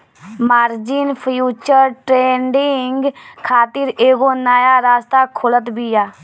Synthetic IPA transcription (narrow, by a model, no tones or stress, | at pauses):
maːɾd͡ʒɪːnpʰjuːt͡ʃəɾʈɾeːɳɖɪŋɡkʰaːt̪ɪɾeːɡoːnaːjaːɾaːst̪aːkʰʊlət̪biːaː